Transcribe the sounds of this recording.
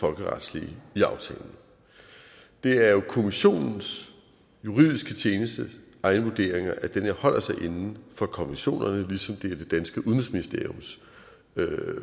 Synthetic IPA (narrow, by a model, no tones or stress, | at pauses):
fɒ̽lɡ̥əʁɑ̈d̥sliːiɑ̈ʊt͡sʰɛ̰ːln̩ə | d̥e̝æɐjo̝kʰo̝miɕo̝̰ːnn̩s | juʁið̰ˠisɡ̥ət͡ɕʰjeːnəsd̥əʔɑ̈ɪnəʋuɐd̥e̝ɐeŋɐʔæd̥enhɒ̽l̰ɐsɑ̈ɪʔe̝nn̩fɒ̽kʰɒ̽miɕo̝̰ːnɐnəlisɒ̽md̥e̝æɐd̥e̝d̥ænsɡ̥əuðˠn̩ʁˠsminisd̥e̝ɐjo̽ms